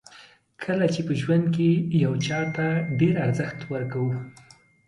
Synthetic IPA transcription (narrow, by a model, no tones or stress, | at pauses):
kʰəlat͡ʃepəʒwand̪̚kejawt͡ʃɑt̪aɖeɾaɾzəxt̪wəɾkawu